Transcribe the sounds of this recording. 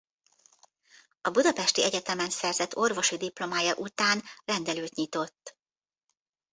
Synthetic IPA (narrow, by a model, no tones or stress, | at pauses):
ɒbud̪ɒpɛʃt̪iʔɛɟɛt̪ɛmɛnsɛrzɛt̪ʰːo̞rvo̞ʃid̪iplo̞maːjɒʔut̪aːnrɛnd̪ɛløːt̪ɲit̪o̞t̪ː